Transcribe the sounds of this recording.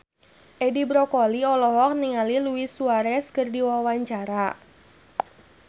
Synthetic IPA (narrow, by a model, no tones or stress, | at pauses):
ʔedibɾɔkɔliɔlɔɦɔk̚niŋaliluisuaɾɛskərdiwawaɲt͡ʃaɾa